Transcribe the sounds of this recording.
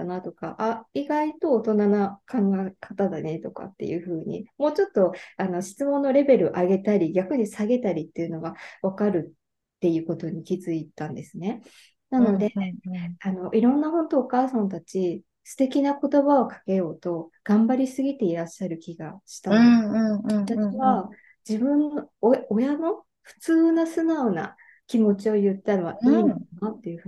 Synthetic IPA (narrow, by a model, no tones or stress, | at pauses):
nat̪o̞ka̰ʔaiɡait̪o̞ːt̪o̞nanakʰãŋɡaekḁt̪ad̪ane̞t̪o̞ka̰t̪ːe̞̰jɯ̟ːɸɯ̟ːɲ̟ḭmo̞ːt͡ɕo̞t̪ːo̞ano̞ɕi̥t͡sɨmõ̞nːo̞ɾe̞be̞ɾɯ̟̰ʔaɡe̞t̪aɾʲiɡʲakɯ̟ɲ̟isaɡe̞t̪aɾʲit̪ːe̞ɯ̟no̞ɡaβakaɾɯ̟tː | e̞jɯ̟ːko̞t̪o̞ɲ̟ikʲizɨit̪ãnd̪e̞sɨne̞ | nano̞d̪e̞ | ano̞ʔiɾõ̞nːaɦõ̞nt̪o̞ːkaːsãnt̪at͡ɕi | sɨ̥t̪e̞kʲinako̞t̪o̞βao̞kḁke̞jo̞ːt̪o̞ɡ̥ãmbaɾʲisɨɡʲit̪e̞iɾaɕːaɾɯ̟kʲiɡaɕi̥t̪a | t̪aiβa | d͡ʑibɯ̟̃nːoojano̞ | ɸɯ̟̥t͡sɨːnasɨnaona̰ | kʲimo̞t͡ɕio̞jɯ̟t̪ːano̞βa̰inoanat̪ːe̞jɯ̟ɸ